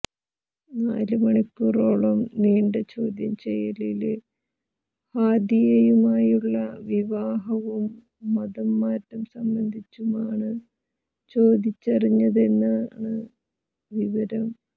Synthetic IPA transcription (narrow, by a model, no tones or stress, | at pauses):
naːlɨmɐɳipːuːro̞ːɭɐmniːɳɖet͡ɕo̞ːd̪jɐmt͡ɕejːɐlil | haːd̪ijɐjumaːjuɭːɐʋiʋaːɦɐʋumː | ɐðɐmːaːtːɐmsɐmbɐnd̪ʱit͡ɕːumaːɳɨ | t͡ɕo̞ːd̪it͡ɕːɐriɲːɐðe̞nːɐɳɨ | ʋiʋɐɾɐm